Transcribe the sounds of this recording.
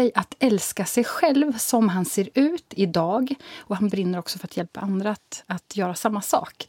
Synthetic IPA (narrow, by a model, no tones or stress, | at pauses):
ɛjʔat̪ɛlskasɛjɧɛlvsɔmɦanseːɾʉ̟ːt̪ɪd̪ɑːɡɔhanbɾɪnːəɾɔksɔfœɾat̪jɛlpa̰ʔand̪ɾat̪at̪ʰjœːɾasamːasɑ̰ːk